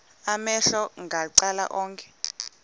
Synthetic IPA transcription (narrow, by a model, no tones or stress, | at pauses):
amɛɬɔŋɡʱaǀala̰ʔɔːŋkʰʼɛ̥